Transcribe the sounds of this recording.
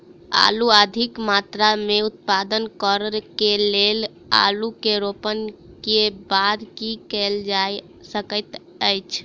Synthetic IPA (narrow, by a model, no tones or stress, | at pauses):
a̰luəd̪ʱikmat̪ɾameut̪̚pad̪ənkəɾɾkelel | a̰lukeɾopənkebad̪kikɛld͡ʒaj | səkət̪ | əjt͡ʃʰ